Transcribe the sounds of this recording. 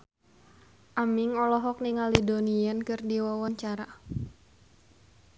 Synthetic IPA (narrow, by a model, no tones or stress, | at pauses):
ʔamiŋɔlɔɦɔk̚niŋalidoniankɨrdiwawaɲt͡ʃaɾa